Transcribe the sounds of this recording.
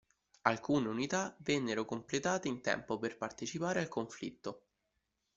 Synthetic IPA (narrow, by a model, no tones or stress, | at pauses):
alkuːneunit̪avɛnːeɾokomplet̪aːt̪eint̪ɛ̰mpoperpart̪et͡ʃipaːɾealkoɱflḭt̪ːo